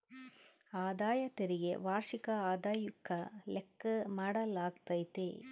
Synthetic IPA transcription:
aːd̪aːjɐt̪eɾiɡḛʋaːɾʂikɐaːd̪aːjukʰːɐlekːɐmaːɽɐlaːɡt̪ɐjt̪ḛ

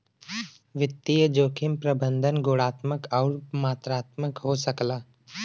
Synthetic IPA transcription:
ʋɪt̪ːijəd͡ʒoːkʰɪmpɾəbə̃nd̪ʱənɡoːɽaːt̪məkɔːɾmaːt̪ɾaːt̪məkɦosəklaː

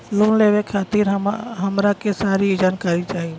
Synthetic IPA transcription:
loːnleːʋekʰaːt̪iːɾɦɐmɾakesaːɾid͡ʒaːnkaːɾit͡ʃaːɦie

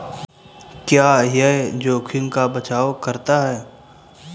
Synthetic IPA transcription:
kjaːjɛd͡ʒoːkʰɪ̃ŋkabət͡ʃaːwkɐɾt̪aɦɛː

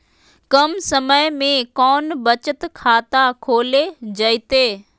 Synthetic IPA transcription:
kɐmsɐməmẽkɔːnbɐt͡ʃət̪kʰaːt̪akʰoːled͡ʒɐɪt̪eː

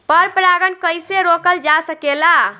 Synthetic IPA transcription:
pəɾpɾaɡəɳkəjseɾokəld͡ʒasəkela

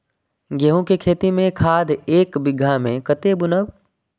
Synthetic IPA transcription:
ɡeɦõkekʰeːt̪imẽkʰaːd̪ʱeːkbɪɡʱːamẽkət̪ebʊnəʋ

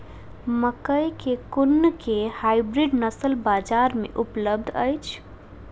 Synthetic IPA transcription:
məkəjkekunːkehajbɾiɖnəsəlbad͡ʒaɾmḛʔupləb̚d̪ʱə̰jt͡ʃʰ

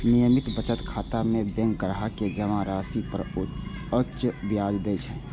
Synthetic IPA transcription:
nijəmɪt̪bət͡ʃət̪kʰaːt̪amẽbɛ̃ŋkɡəɾɦaked͡ʒəmãɾaːsipəɾ | ət͡ʃbjaːd͡ʒd̪et͡ʃʰɛ̃

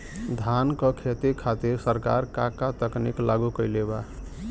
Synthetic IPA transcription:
d̪ʱankəkʰet̪ekʰat̪iɾsəɾka̰ɾkakat̪əkniklaɡukəɪleba

